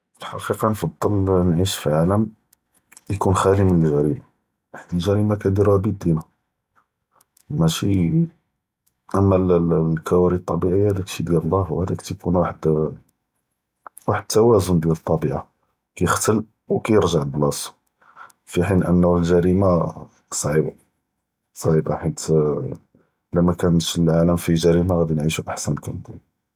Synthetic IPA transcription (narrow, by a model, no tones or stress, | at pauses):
fəlħɑ̰qiqɑnfɑd̪ˤːəlnʕiʃfiʕaləm | jkunxælimənəlʒæɾima | aħd̪ilʒæɾimakæd̪iɾæbid̪inæ | mæʃi | ʔæmːællkæwæɾit̪ˤːɑbiʕijːahæd̪ækʃid̪jiɾlːæhwhæd̪ækt̪kunwaħəd̪ | waħəd̪̚t̪ːæwæzʊnd̪jælət̪ˤːɑbiʕa | kæjəxt̪əl | wkæjəɾʒaʕəlblɑs | fiħinʔə̰nːulʒæɾima | sˤʕiba | sˤʕibaħit̪ | læmækænət̪ʃəlʕaləmfiʒæɾimaɣæd̪inʕiʃuʔaħsænkənd̪u